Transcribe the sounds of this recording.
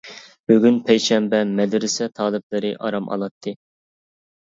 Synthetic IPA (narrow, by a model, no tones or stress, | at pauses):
b̥yɡʲynpʰɛjʃɛmbɛmɛd̪ɪɾɪsɛt̪ʰɑːlˠɨp̚lˠɨɾɨʔɑ̰ɾɑmɑ̰lˠɑt̪ʰːɨ